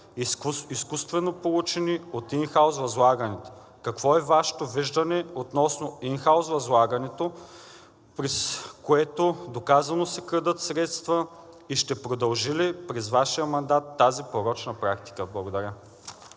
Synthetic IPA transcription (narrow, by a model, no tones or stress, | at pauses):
iskust̪vɛnopolˠut͡ʃɛniot̪inxawzvɐzlˠaɡɐnɛt̪ | kɐkv̥ɔɛvaʃɛ̥t̪oviʒd̪ɐnɛot̪nɔsnoinxawzvɐzlˠaɡɐnɛt̪o | pɾɛskoɛt̪od̪okazɐnosɛkɾəd̪ət̪sɾɛt̪st̪vɐ | iʃt̪ɛpɾod̪ɐlˠʒilipɾɛzvaʃijəmɐnd̪at̪ːazipoɾɔt͡ʃnɐpɾak̚t̪i̥kəblˠɐɡod̪ɐɾʲə